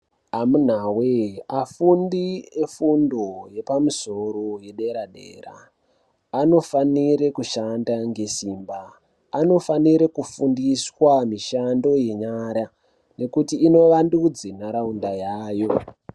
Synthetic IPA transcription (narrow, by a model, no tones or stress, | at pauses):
amun̤aweafundiefundo̞je̞pamusoɾoje̞ɗeɾaɗḛːra̰ː | no̞faniɾekuʃandaŋɡe̞simbaː | no̞faniɾekufundiswamiʃando̞je̞ɲaɾa | ne̞kutiːno̞ʋandud͡zenaɾaundajaːjo̞